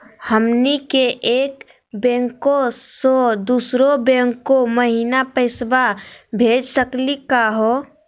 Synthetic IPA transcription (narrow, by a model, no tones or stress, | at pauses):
həmnikeʔeːk | bẽːŋkosod̪uːsɾobẽŋkoməɦiːnapəɪsbabʱeːd͡ʒsəklikaɦo